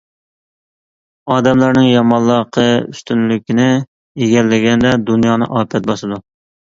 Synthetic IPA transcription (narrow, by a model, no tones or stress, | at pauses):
ɑːd̪ɛmlˠɑɾnɪŋjɑmɑlˠːɑqʰəy̰st̪ʰynlykʲʰinɪ | eɡʲɛlːɪɡʲɛnd̪ɛd̪unjɑːnɨ̰ʔɑːpʰɛt̪̚bɑʃɨd̪u